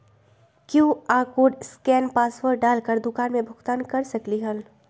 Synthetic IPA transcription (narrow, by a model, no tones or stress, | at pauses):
kjuːaːkoːɖskɛːnpaːswəɾɖaːlkəɾd̪ʊkaːnmẽbʱʊɡt̪aːnkɐɾsɐkliɦɐl